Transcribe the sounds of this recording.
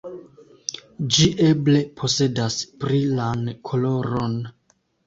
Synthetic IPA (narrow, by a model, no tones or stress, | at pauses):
d͡ʒiʔe̞ble̞pʰo̞se̞daspɾilankʰo̞lo̞ɾon